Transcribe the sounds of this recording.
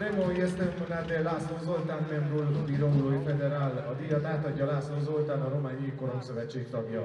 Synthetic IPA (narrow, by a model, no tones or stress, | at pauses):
ɾemoiɛst̪efunad̪elːaːsozolt̪aːnmɛmbulbiɾomloːifɛd̪ɛɾaːlɒd̪ijɒt̪aːt̪ɒɟːɒlaːsonzolt̪aːnɒɾo̞maːɲikːo̞ɾomsø̞vɛt͡ʃːeːkt̪ɒɡjɒ